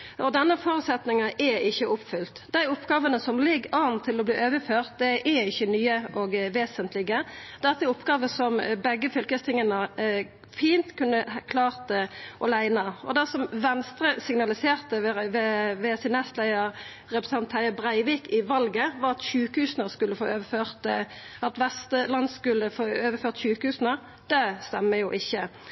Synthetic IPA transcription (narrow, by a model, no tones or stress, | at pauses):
ʔɔd̪ɛnːəfɔːɾʉːt̪sɛt̪nɪŋɑʔɛɪçːəʔʊpfʏlt̪d̪æɪʊpːɡɑːʋənəsɔmlɪɡɑːnt̪ʰːɪlɔbliːʔøːʋəføːʁt̪̚d̪ɛʔɛɪçːənyːəʔɔɡʋeːsənt̪lɪɡəd̪ɛt̪ːəʊpːɡɑːʋəsɔmbɛɡːəfʏlkəst̪ʰɪŋːənə | fiːnt̪kʰʉnːəkʰlɑːʁt̪əʔɔlæɪnɑɔ̰d̪ɛsɔmʋɛnst̪ɾəsɪŋnɑlɪseːʁt̪ə | ʋɛsɪnɛst̪læɪəɾ | ɾɛpɾəs̩ɑnt̪ʰhæɪəbʁæɪʋiːkɪʋɑlɡəʋɑʁɑt̪çʉːkhʉːsnəskʉlːəfoːøːʋəføːʁt̪ | ɑt̪ʋɛst̪əlɑnskʉlːəfoːøːʋəføːʁt̪çʉːkhʉːsnə | d̪̥ɛst̪ɛmːəjʊʔɪçːə